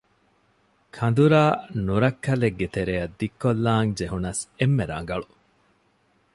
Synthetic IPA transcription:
kʰɐnd̪uɾaːnuɾɐkːɐleɡːet̪eɾejɐd̪ːikːolːaːŋd͡ʒeɦunɐsemːeɾɐ̰ŋ̆ɡɐɭu

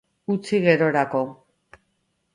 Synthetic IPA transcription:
ut͡siɣe̞ɾo̞ɾako̞

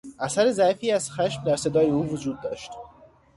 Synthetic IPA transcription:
ʔæsæɾezæfiːæz̥xæʃmd̪æɾse̞d̪ɒːjeuːvod͡ʒuːd̪̚ːɒːʃt̪

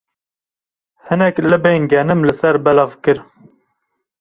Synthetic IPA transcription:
hɨnɛklɨbeːŋɡɛnɨmlɨsɛɾbɛlɑvkɨɾ

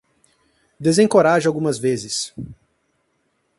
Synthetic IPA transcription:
d̪ezẽkoɾaʒʊawɡũmɐzvezɪs

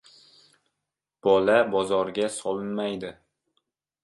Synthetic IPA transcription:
b̥ɒlabɒzɒɾɡʲasɒlˠɪnmajd̪ɪ

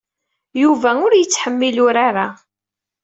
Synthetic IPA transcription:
juvæʊɾjət͡sːħəmːilʊɾaɾa

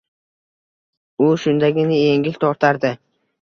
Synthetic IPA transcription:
ʊʃʊnd̪aɡʲɪnɪje̞ŋɡʲɪlʲt̪ʰɒɾt̪ʰaɾd̪ɪ

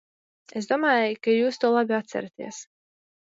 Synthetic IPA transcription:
esd̪uɔmaːjkajuːst̪uɔːlˠabʲiat̪sæ̰ɾat̪ḭɛs

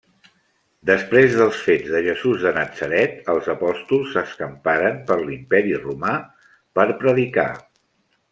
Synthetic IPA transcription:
d̪əspɾezðəlˠsfed͡zðəʒəzuzðənəd͡z̥əɾɛt̪əlˠzəpɔst̪ulˠsːəskəmpaɾəmpəɾlimpɛɾiruma | pəɾpɾəðika̰

